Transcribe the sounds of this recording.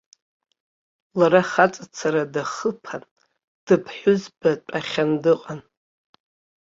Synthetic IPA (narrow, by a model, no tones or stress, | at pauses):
laɾaχat͡sʼat͡sʰaɾadaχəpʰan | d̥ɨpʰħʷᶣʊzbaʈ͡ʂʷʼaχʲandɨqʼan